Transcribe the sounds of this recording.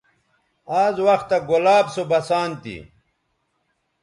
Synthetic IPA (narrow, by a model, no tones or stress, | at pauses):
aːzwɐxt̪ɐɡolaːbsobɐsaːnt̪ḭ